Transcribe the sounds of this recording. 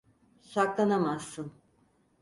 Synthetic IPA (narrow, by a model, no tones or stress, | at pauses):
saklˠanamasːɯn